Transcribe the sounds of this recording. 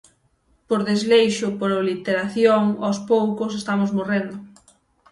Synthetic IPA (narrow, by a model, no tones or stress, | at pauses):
poɾðezlejʃʊpoɾolit̪eɾaθjoŋospowkʊs̬est̪amozmorend̪ʊ